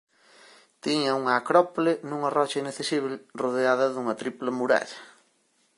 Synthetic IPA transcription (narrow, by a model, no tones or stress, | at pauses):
t̪iɲɐuŋɐːkɾɔpolɪnũŋɐrɔt͡ʃɐinɐkθesiβlɪroðeaðɐðuŋɐt̪ɾiplɐmuɾa̰ʎɐ